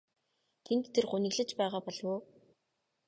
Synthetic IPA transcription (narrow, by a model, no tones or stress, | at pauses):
t̪ʰent̪ːʰerχunɘ̆ɣɮɘ̆t͡ɕpæːʁaːpɔɮwoː